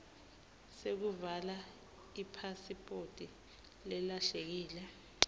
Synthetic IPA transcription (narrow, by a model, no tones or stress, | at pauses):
sek̬uvala | ipʰasipʼotʼi | lɛlaɬek̬iːlɛ